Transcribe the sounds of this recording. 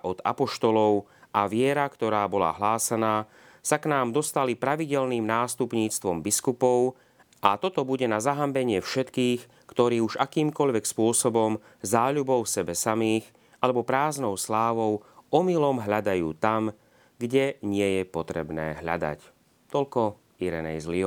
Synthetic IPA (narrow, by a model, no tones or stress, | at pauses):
ʔɔd̪a̰pɔʃt̪ɔlɔʊʔaʋɪɛɾakt̪ɔɾaːbɔla̰ɦlaːsanaː | saknaːmd̪ɔst̪alipɾaʋiɟɛlniːmnaːst̪upɲiːt͡st̪ʋɔmbiskupɔʊ | ʔat̪ɔt̪ɔbuɟɛnazaɦambɛɲɪɛfʃɛt̪kiːx | kt̪ɔɾiːuʒakiːmkɔʎʋɛkspʊɔsɔbɔm | zaːʎubɔʊfsɛbɛsamiːx | alɛbɔpɾaːznɔʊslaːʋɔʊʔɔmilɔmɦʎad̪ajuːt̪am | ɡɟɛɲɪɛjɛpɔt̪ɾɛbnɛ̰ːɦʎa̰d̪a̰c | t̪ɔʎkɔ | iɾɛ̰nɛ̰jzliɔ